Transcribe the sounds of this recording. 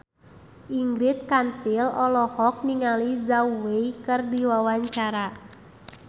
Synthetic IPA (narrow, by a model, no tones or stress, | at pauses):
ʔiŋɡɾit̪̚kansilɔlɔhɔk̚niŋalizauwejkɨrdiwawaɲt͡ʃaɾa